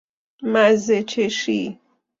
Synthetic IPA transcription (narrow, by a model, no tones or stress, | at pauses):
mazet͡ʃʰeʃi